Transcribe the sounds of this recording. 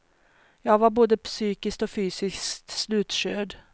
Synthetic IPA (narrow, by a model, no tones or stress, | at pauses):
jɑːɡvaɾboːd̪əpsyːkɪsk̚t̪ɔfyːsɪst̪slʉ̟ːt̪ɕøːɖ̪